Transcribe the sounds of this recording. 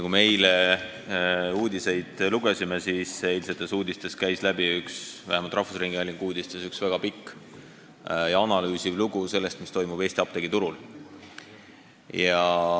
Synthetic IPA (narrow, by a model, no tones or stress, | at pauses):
kumejle | uːd̪ʲise̞jd̪̥luɡ̥e̞simesiːseːlset̪ːˑe̞suːd̪ist̪e̞skæjslæb̥iyksvæ̰hemɑlt̪ɾrɑhfusriŋɡ̥iɑlʲːiŋɡ̥uːd̪ist̪e̞syksvæɡ̥ɑpikːˑ | jɑɑnɑlyːsivluɡ̥use̞lːe̞st̪mist̪o̞jmub̥eːst̪ʲiɑb̥̚t̪e̞ɡit̪uɾul | jɑ